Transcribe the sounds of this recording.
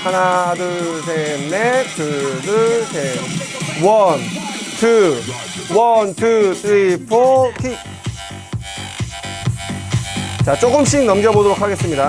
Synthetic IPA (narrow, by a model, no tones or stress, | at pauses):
anadɯs̬ʰenːekɯdɯt͡ɕe | wʌntʰɯ | wʌntʰutʰɾipʰokʰi | t͡ɕat͡ɕ͈oɡɯmɕ̬͈ʰiŋnʌmɡjʌbodoɾokʰaɡe̞s͈ɯmɲida